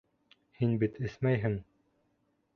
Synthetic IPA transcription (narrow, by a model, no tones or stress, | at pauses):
hinbit̪ɘ̆θmæjɦɘŋ